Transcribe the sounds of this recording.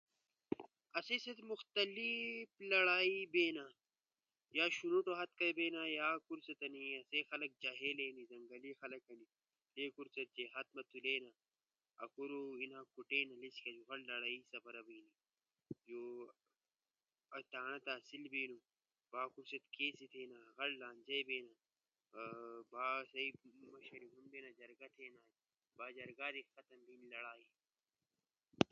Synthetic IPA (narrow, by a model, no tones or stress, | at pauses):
ɐseset̪muxt̪ɐliflɐɽaːibeːna | jaːʃunuʈoɦɐt̪̚kɐbeːnajaːkuɾsɐt̪ɐniɐsexɐlɐk̚d͡ʒaɦeleːnizɐŋɡɐlixɐlɐkɐni | leːkuɾsɐt̪̚t͡ʃeɦɐt̪̚mɐt̪uleːna | ɐ̰kuɾoinaːkuʈeːnɐlisi̥kɐd͡ʒuɣɐɽlɐɽaːisɐfɐɾɐbiːni | d͡ʒoː | ɐt̪aːnɐt̪aːsilbiːnu | baːkuɾsɐt̪keːsit̪ʰeːnaɣɐllaːnd͡ʒɐjbeːna | baːsɐimɐʃɐɾiɦunbeːnad͡ʒɐɾɡɐt̪ʰeːnaː | baːd͡ʒɐɾɡaːɾixɐt̪ɐmbiːnilɐɽaːi